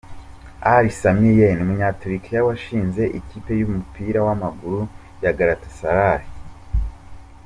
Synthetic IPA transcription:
aɾisamijenumuɲatuɾikijawaʃiːnze̞ʔiciːpe̞jumupiːɾawamaɡuɾu | jaɡaɾatesaɾaɾi

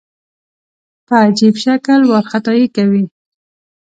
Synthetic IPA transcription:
pəːd͡ʒibʃakəlwaɾxat̪ɑjikawi

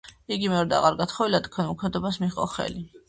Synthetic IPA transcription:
iɡimɛɔɾd̪a̰ʁaɾɡat̪ʰχɔvilat̪kʰwɛnmukʰmɛd̪ɔbasmiχʼɔ̰χɛ̰li

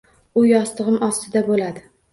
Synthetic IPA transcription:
ʊjɒst̪ɨʁɨmɒst̪ɪd̪abolad̪ɪ

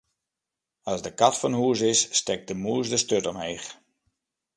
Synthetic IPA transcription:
ɑzdəkatfɔnhuəs̬ɪsːtɛk̚dəmuəsdəstøtɔmeːx

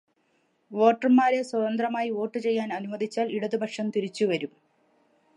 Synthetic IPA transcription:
ʋoːʈɐrɨmːaːɾe̞swɐðɐnd̪rɐmaːjio̞ːʈːɨt͡ɕe̞jːaːnɐnumɐd̪ʱit͡ɕːaːliɽɐðubʱɐʈʂɐmt̪iɾit͡ɕːuʋɐɾum

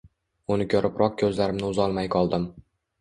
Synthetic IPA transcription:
ʊnɪkʰʲɵɾʔɪpɾɒq̚kʲʰɵzlaɾɪmnɪʊzɒlˠmajqʰɒlˠd̪ɪm

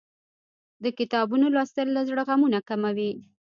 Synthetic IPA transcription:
d̪əkɪt̪ɑbunolɑst̪əlːazɽəɣamunakamawi

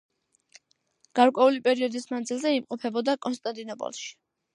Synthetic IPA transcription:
ɡ̥aɾkʼwɛulipʼɛɾiɔd̪ismand̪zilˠzɛimqʼɔpʰɛbɔd̪akʼɔns̬t̪ʼant̪ʼinɔpʼɔ̰lˠʃi̥

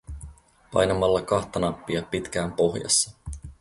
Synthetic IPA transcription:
pɑ̰jnɑmɑlːɑkɑxt̪ɑnɑpːiɑpit̪k̟æːmpo̞xjɑ̰sːɑ

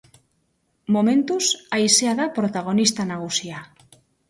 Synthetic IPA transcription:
momẽnt̪usaiseaðapɾot̪aɣ̞onist̪anaɣusia

